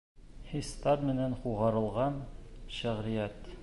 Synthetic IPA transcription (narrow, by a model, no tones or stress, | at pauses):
hist̪ɑt̪mɘ̆nænquʁɑɾɤ̆lˠʁɑnʃæʁɾijæt̪